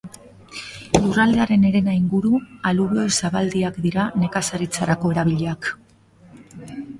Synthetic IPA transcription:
lurald̪eaɾe̞ne̞ɾe̞najŋɡuɾualuβojsaβald̪iakd̪iɾane̞kasaɾit͡saɾako̞e̞ɾaβ̞iʎe̞ak

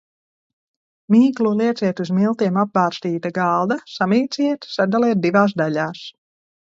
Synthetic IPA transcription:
miːklˠuliɛt̪siɛt̪uzmilˠt̪iɛmap̚baːɾst̪iːt̪aɡalˠd̪asamiːt̪siɛt̪sad̪aliɛt̪̚d̪ivaːs̬d̪aʎaːs

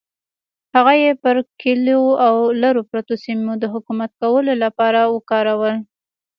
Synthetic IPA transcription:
haɣajepəɾkɪloawlaɾopɾat̪osimod̪əɦʊkumat̪̚kawəlolapɑɾawəkɑɾawəl

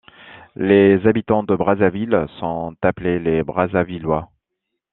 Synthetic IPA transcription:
lezabit̪ɑ̃d̪əbʁazavilsɔ̃t̪aplelebʁazavilwa

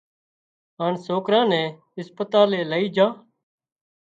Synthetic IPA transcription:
ɦaːnsoːkɾãːnɛ̃ː | ɪspət̪aːleːləiːd͡ʒãː

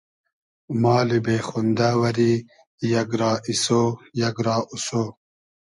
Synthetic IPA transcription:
maːlibeːxund̪awɐɾi | jɐɡɾaːʔisojɐɡɾɑːʔusoː

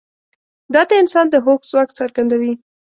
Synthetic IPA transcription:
d̪ɑt̪aɪnsɑnd̪əɦokz̥wɑkt͡saɾɡand̪awi

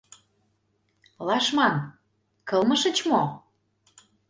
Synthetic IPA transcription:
lɑʃmɑn | kɤ̆lməʃə̆t͡ɕmo

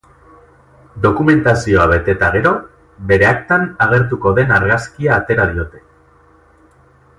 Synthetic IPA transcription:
d̪o̞kume̞nt̪asio̞aβe̞t̪e̞t̪aɣ̞e̞ɾo̞ | be̞ɾe̞akt̪anaɣ̞e̞ɾt̪uko̞ðe̞naɾɣaskiaːt̪e̞ɾaðio̞t̪e̞̥

